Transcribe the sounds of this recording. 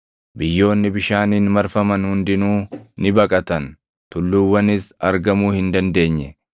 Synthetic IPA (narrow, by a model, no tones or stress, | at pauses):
bɪjːo̞ːnːɪbɪʃaːniːnmɐɾfɐmɐnhʊnd̪ɪnuːnɪbɐkʼɐt̪ɐn | t̪ʊlːuːwːɐnɪsɐɾɡɐmuːhɪnd̪ɐnd̪e̞ːɲːɛ